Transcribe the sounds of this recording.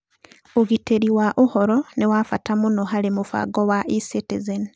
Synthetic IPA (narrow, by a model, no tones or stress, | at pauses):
oɣiteɾiwaʔuhɔɾɔnewafatamunɔɦalemufa̰ɡowaʔisetezeni